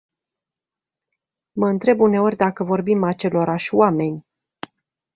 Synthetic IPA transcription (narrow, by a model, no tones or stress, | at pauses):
məɨnt̪ɾe̞bune̞o̞rʲd̪akəvo̞rbimat͡ʃe̞lo̞ɾaʃʲwame̞nʲ